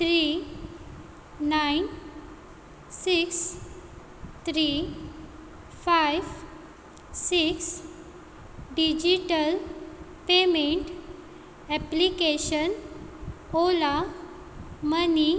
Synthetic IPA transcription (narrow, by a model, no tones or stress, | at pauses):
t̪ʰɾi | nain | siks | t̪ʰɾi | fajʋ | siks | ɖid͡ʑiʈəl | pemeɳʈ | ɛplikeɕən | ola | məni